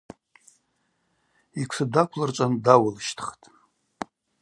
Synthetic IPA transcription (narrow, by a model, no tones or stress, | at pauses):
ikʷʰsɨdakʷʰlart͡ʃʷʼandawʊlʃtʰχtʼ